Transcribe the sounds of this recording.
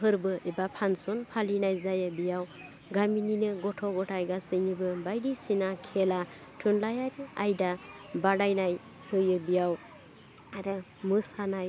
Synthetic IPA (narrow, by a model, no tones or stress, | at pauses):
ɦɯɾbɯʔebapʰansɔnpʰalinajzajɯbijaw | ɡamininɯɡɔtʰɔɡɔtʰajɡasɯnibɯbajdisinakʰela | tʰɯnlajaɾiajdabaɽajnaj | hɯjɯbijaw | aɾɯ | mɯsanaj